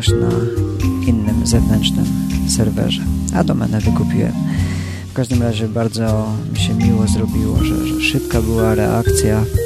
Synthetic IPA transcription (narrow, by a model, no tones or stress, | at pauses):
ɕna̰ | inːɘmzɛvnɛntt͡ʂnɘ̰msɛɾvɛ̰ʐɛad̪ɔmɛ̰nɛvɘkupʲiwɛ̰m | fkaʐd̪ɘmɾaʑɛbaɾd̪zɔmiɕɛmʲiwɔzɾɔbʲiwɔ̰ʐɛ̰ʐɛʂɘpkabɘwaɾɛʔa̰kt̪sʲja